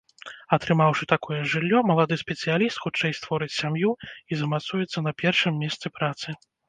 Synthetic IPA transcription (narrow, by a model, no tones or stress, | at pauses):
ɐt̪ɾɨmawʂɨt̪akɔjɛʐɨlʲːɔmɐlˠad̪ɨsʲpʲɛt̪sɨjalʲist̪xut͡ʂɛjst̪vɔɾɨt͡sʲsʲamjuizɐmat̪sujɛt̪sːɐnɐpʲɛrʂɨmːʲɛst̪sɨpɾat̪sɨ